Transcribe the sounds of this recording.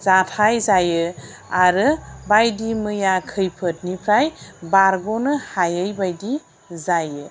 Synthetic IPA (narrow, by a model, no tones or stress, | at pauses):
zatʰajzajɯ | aɾɯbajdimɯjakʰɯjpʰət̚nipʰɾajbaɾɡɔnɯhajəjbajdi | zajɯ